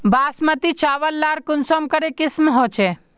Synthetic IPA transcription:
baːsmət̪it͡ʃaːʋəlːaːɾkʊnsomkəɾekɪsmɦoːt͡ʃʰe

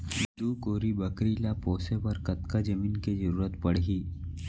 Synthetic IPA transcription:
d̪ukoːɾibəkɾilapɔːsepɐɾkɐt̪kad͡ʒɐmiːnkezəɾuːɾət̪pɐɽ̤ɡiː

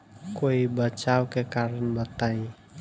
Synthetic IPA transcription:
koibət͡ʃawkekaɾənbət̪ai

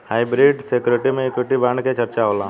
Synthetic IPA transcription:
haːɪbɾiːɖsekjʊɾeʈimẽekwɪʈibãːɳket͡ʃɐɾt͡ʃaɦoːla

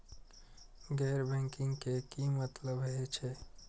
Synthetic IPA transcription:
ɡɛɾbɛ̃ŋkĩŋɡkekimət̪ləbɦɛt͡ʃʰɛ

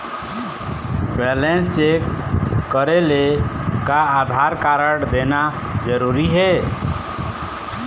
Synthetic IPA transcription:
bɛlenst͡ʃekː | əɾelekaad̪ʱaɾkaɾəɽd̪ena | d͡ʒəɾuɾiɦe

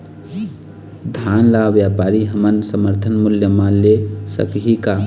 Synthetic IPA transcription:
d̪ʱanlaʋjapaɾiɦəmənsəməɾt̪ʰənmuljəmãlesə̰kɦika

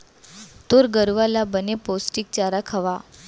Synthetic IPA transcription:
t̪oɾɡəɾʋalabəneposʈik̚t͡ɕaɾakʰəʋa

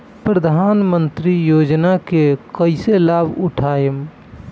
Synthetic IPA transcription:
pɾəd̪ʱaːnmənt̪ɾijoːd͡ʒnakekəɪselaːbʱʊʈʰaːjəm

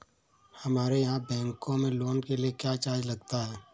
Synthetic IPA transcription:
hɐmaːɾejɐɦãbɛ̃ːŋkõmẽloːnkeliekjaːt͡ʃaːd͡ʒlɐɡ̚t̪aɦɛː

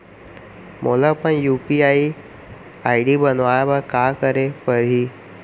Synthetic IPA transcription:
mʔolapəɳjupiai | aiɖiːbənʋajabakakəɾepəɾɦiː

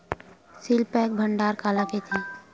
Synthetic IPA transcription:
silpɛːk̚bʱə̃ɳɖaːɾkaːlaket̪ʰi

